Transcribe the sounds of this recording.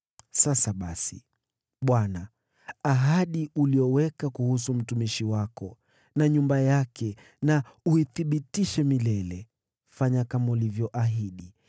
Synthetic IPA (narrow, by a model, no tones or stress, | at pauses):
sasaɓasḭ | ɓwana | aɦaɗiuliɔwɛkakuhus̬um̩tumiʃiwakɔ | naɲumbajakɛ | nauiθiɓitiʃɛmilɛlɛ | faɲakamaulivjɔʔaɦiɗi